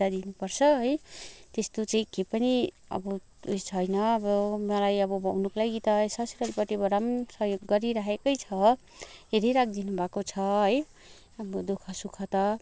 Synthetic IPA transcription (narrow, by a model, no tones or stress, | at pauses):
ad̪inupʌrt͡sʰʌɦʌjt̪est̪ot͡saĩkepʌni | ʌ̰bʌ | ut͡sʰʌjnʌːbʌmʌlajʌbʌbʱʌwnuklajɡit̪asʌsiɾʌlpʌʈibʌɾamsʌɦjoɡːʌɾiɾaɦekʌjt͡sʰʌ | ɦeɾiɾak̚ʰd̪inubʱakot͡sʰʌɦʌj | ʌbʌd̪ukʰʌsukʰʌt̪ʌ